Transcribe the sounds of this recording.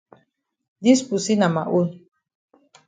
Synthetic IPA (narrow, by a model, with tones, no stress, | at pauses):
di˦spu˨si˦na˨ma˨ʔu˦l